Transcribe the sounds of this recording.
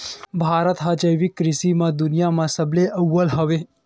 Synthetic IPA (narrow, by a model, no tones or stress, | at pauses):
bʱaːɾət̪ɦad͡ʒəjʋikːɾɪsimãd̪ʊnijamãsəbleʔəwːəlɦəʋe